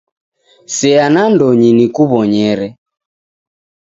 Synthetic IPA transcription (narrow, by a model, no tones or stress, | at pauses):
sɛanandɔɲinikuβɔɲɛɾɛ